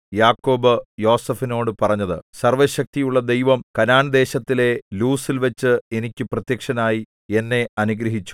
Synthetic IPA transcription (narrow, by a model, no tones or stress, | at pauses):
jaːkːo̞ːbɨjo̞ːsɐfino̞ːɽɨpɐrɐɲːɐðɨsɐrʋɐɕɐk̚t̪ijuɭːɐd̪e̞jʋɐmkɐnaːnd̪e̞ːɕɐt̪ːile̞luːsilʋɐt͡ɕːɨe̞nikʲːuprɐt̪jɐkʂɐnaːji | e̞nːe̞ɐnuɡɾɐɦit͡ɕːu̥